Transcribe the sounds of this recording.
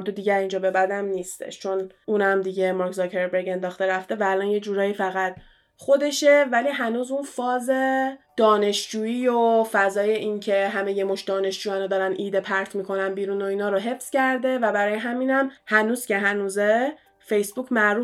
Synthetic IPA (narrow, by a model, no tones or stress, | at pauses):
d̪od̪iːɟæɾind͡ʒɒːbe̞bæd̪æmniːst̪ḛʃt͡ʃʰo̞n | uːnæmd̪iɟe̞mɑɾkzokʰeɾbeɾɡe̞nd̪ɒːxt̪e̞ɾæft̪e̞væːlɒːnje̞d͡ʒuːɾɒːjiːfæɣæt̪̚ʰ | χo̞d̪e̞ʃe̞væliːɦænuːzunfɒːzed̪̥ɒːne̞ʃd͡ʒuːiːjofæzɒːje̞ʔincʰe̞ɦæme̞jemoʃd̪ɒːne̞ʃd͡ʒuːjænod̪ɒːɾænʔiːd̪e̞pʰæɾt̪ʰmikʰo̞nænbiːɾuːno̞iːnɒːɾoɦe̞fscæɾd̪e̞væbæɾɒːjeɦæmiːnæmhænuːz̥cʲe̞ɦænuːze | fe̞jsbuːcʰmæɾuː